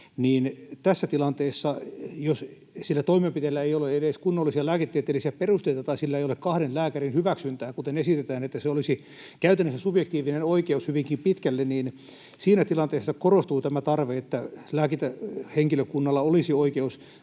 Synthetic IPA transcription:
niːnt̪æsːæt̪ilɑnt̪eːsːɑjos | silːæt̪oimempit̪elːæeijoleedeskunːolːisiɑlæːket̪ːiet̪ːelisiæperust̪eit̪ɑt̪ɑisilːæeijolekkɑhɾenlæːkærinhyʋæksynt̪æːkut̪enesit̪et̪æːnet̪ːæseolisi | kæyt̪ænːøsesubjekt̪iːʋinenoikeushyʋiŋkimpit̪kælːenniːn | siːnæt̪ilɑnt̪eːsːɑkorost̪uːt̪æmæt̪ɑrʋeet̪ːælæːkit̪æheŋkiløkunːɑlːɑolisioikeus

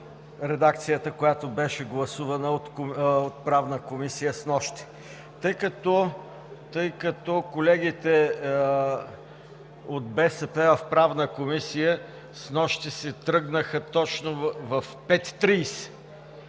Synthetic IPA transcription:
ɾɛd̪ak̚t̪sijət̪əkojat̪obɛʃɛɡlˠɐsuvɐnəot̪ot̪̚pɾavnəkomisijəsnɔʃt̪i̥ | t̪ɤjkɐt̪ɔ | t̪ɤjkɐt̪ɔkolɛɡit̪ɛ | ot̪̚bɛsɛpɛvɐfpɾavnəkomisijə | snɔʃt̪isɛt̪ɾɤɡnəxət̪ɔt͡ʃnovɐfpɛt̪ːɾijsɛ̥

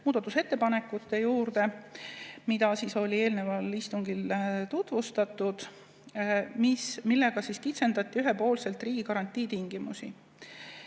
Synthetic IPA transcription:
muːd̪̥ɑt̪ːˑuse̞t̪ːe̞pɑne̞kːˑut̪ːe̞juːrd̪e̞ | mid̪ɑsiːso̞lʲie̞ːlne̞vɑlist̪uŋɡ̥ilt̪ut̪ˑvust̪ɑt̪ːˑud̪̥ | mismilːe̞ɡ̥ɑsiskit̪se̞nd̪ɑt̪ːˑiyɦepo̞ːlse̞lt̪ˑriːɡ̥ikɑɾɑnʲt̪ʲːˑiːt̪iŋɡ̥imusḭ

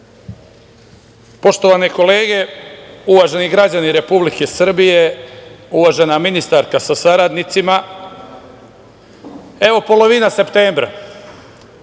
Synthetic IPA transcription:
po̞ʃt̪o̞ʋaneko̞le̞ːɡe̞uʋaʒe̞niɡɾad͡ʑaniɾe̞publike̞sr̩bije̞uʋaʒe̞naminist̪aɾkasasaɾad̪nit̪sima | e̞ʋo̞po̞lo̞ʋinase̞pt̪eːmbɾa̰

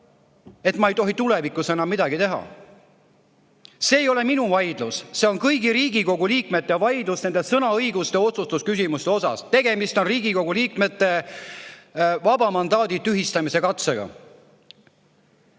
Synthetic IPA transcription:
e̞t̪ˑmɑejt̪o̞ɦit̪ule̞vikːˑusenɑmːid̪̥ɑɡit̪e̞ɦɑ̰ | se̞ːjo̞le̞minuvɑjd̪̥lusse̞o̞nkɤjɡiɾiːɡiko̞ɡuliːk̚met̪ːˑejɑvɑjd̪̥lusne̞nd̪esɤnɑɤjɡ̥ust̪e̞o̞t̪sust̪uskysimust̪eo̞sɑ̰st̪e̞ɡ̥e̞mist̪o̞nriːɡ̥iko̞ɡ̥uliːkme̞t̪ːˑe̞ | vɑbɑmɑnd̪ɑːd̪it̪ːyɦist̪ɑmise̞kɑt̪seɡ̥ɑ̰

